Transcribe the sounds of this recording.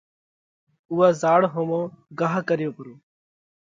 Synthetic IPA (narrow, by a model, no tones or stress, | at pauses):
uːaːzaːɽɦõːmõːɡaːɦkəɾɪjoːpəɾoː